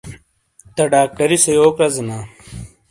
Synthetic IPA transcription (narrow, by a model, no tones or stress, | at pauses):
t̪ɐɖaːkːɐɾisejoːkɾɐzɐna